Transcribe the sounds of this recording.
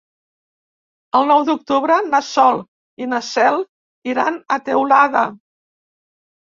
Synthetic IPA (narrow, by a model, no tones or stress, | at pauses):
əlˠnɔwd̪uk̚t̪uβɾənəsɔlˠ | inəsɛlˠ | iɾanət̪ewlaðə